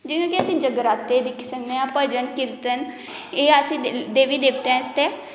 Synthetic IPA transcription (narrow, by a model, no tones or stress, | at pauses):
d͡ʒiːkõːkɪəsĩːd͡ʒəɡɾaːt̪ːeːd̪ɪkʰsəkneãːpəd͡ʒənkɪlt̪ən | eːəsĩːd̪eːʋiːd̪eːpt̪eɛ̃ːɪst̪eː